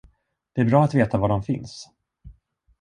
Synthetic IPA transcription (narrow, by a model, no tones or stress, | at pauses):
d̪̥ɛæɾbɾɑːat̪veːt̪avaɖɔmfɪns